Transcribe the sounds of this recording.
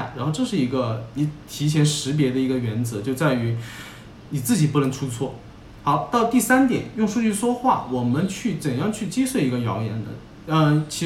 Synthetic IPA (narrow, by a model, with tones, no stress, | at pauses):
ɻa˧˥nxo˥˧ʊʈ͡ʂɤ˥˧ʂɻ̩˥˩i˧˥ɡə˧i˧˥t̪ʰi˧˥t͡ɕʰjɛ˧˥nʂɻ̩˧˥p̬jɛ˧˥d̪ə˧i˧˥ɡə˧ɥɛ˧˥nt͡sɤ˧˥t͡ɕjo˥˧ʊt͡sa˥˩ɪy˧˥ | ni˨˩t͡sɹ̩˥˩t͡ɕi˨˩pu˥˧nə˧˥ŋʈ͡ʂʰu˥t͡sʰwɔ˥˩ | xɑ˧˥ʊt̪ɑ˥˧ʊt̪i˥˩sa˥nt̪jɛ̰˨˩˦njʊ˥˧ŋʂu˥˧t͡ɕy˥˧ʂwɔ˥xwa˥˩wɔ˨˩mə˦nt͡ɕʰy˥˩t͡sə˨˩ŋjɑ˥˧ŋt͡ɕʰy˥˩t͡ɕi˥swe˥˩ɪi˧˥ɡə˧jɑ̰˧˥ʊjɛ̰˧˥nd̪ə̰˧ | ə˧t͡ɕʰi˧˥